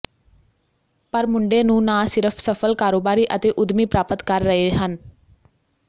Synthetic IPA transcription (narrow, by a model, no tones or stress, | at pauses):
pəɾmʊɳɖeːnũːnaːsɪɾəpʰsəpʰəlkaːɾoːbaːɾiːʔət̪eːʔʊd̪miːpɾaːpət̪kəɾːəɦeːɦən